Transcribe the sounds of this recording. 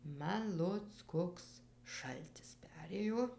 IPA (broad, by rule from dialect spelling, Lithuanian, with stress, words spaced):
ˈmɐn ˈlˠoːt͡s ˈkoːks ˈʃɐlʲtʲɪs ˈpʲæːrʲeːjoː